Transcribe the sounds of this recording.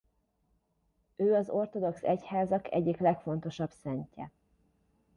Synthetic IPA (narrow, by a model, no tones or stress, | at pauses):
øːɒzo̞rt̪o̞d̪o̞ksɛchaːzɒkɛ̰ɟːiklɛkfo̞n̪t̪o̞ʃɒbsɛɲcɛ̰